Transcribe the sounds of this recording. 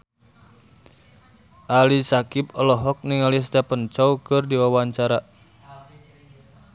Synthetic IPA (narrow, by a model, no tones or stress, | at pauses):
ʔalisakipɔlɔɦɔk̚niŋalis̬t̪ɛpənt͡ʃɔwkɨrdiwawaɲt͡ʃaɾa